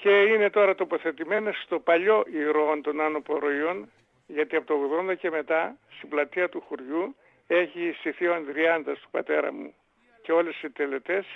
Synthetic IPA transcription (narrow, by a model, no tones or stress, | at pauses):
ce̞ine̞t̪o̞ɾɐt̪o̞po̞θe̞t̪ime̞nest̪o̞pɐʎo̞ʔiɾo̞nt̪o̞nɐno̞po̞ɾo̞io̞n | ʝɐt̪iɐpot̪ooɣðo̞nd̪ɐce̞me̞t̪ɐst̪iblɐt̪iɐt̪uxuɾʝu | e̞çisiθioɐnt̪ɾiɐnðɐst̪u̥pɐt̪e̞ɾɐ̰mṵ | ceo̞lesit̪e̞le̞t̪e̞s